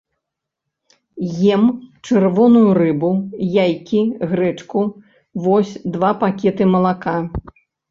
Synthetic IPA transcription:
jɛmt͡ʂɨrvɔnujurɨbujajkʲiɣɾɛt͡ʂku | vɔsʲd̪vapakʲɛt̪ɨmɐlˠaka

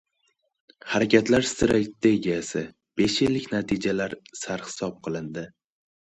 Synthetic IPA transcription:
haɾakʲʰat̪ʰlaɾst̪ɪɾakʲd̪eɡʲiasɪ | b̥e̞ʃɪlːɪkʲnat̪ʰid͡ʒalaɾsaɾhɪ̥sɒp̚qʰɨlˠɪnd̪ɪ

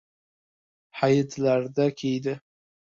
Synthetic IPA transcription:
hajɪt̪ʰlaɾd̪akʲʰejd̪ɪ

